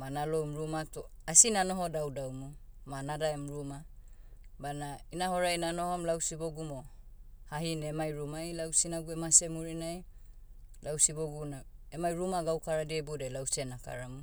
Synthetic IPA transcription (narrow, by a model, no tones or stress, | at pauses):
manalomɾumatoasinanoɦodawdawmumanadaemɾuma | banainahoɾajnanohomlawsiboɡumohaɦinemajɾumajlawsinaɡuemasemuɾinaj | lawsiboɡunaemajɾumaɡawkaɾadiebodelawsenaka̰ɾamu